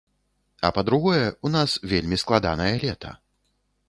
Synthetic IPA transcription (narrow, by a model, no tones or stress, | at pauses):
ɐ̰pɐd̪ɾuɣɔjɛunasvʲelʲmʲisklˠad̪a̰nɐjɐlʲɛt̪ʰɐ̰